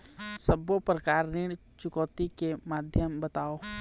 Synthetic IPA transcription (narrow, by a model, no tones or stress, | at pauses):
səbopɾəkaːɾnɪɽ̃ | t͡ʃʊkɔːt̪ikemaːd̪ʱjəmbət̪aːoː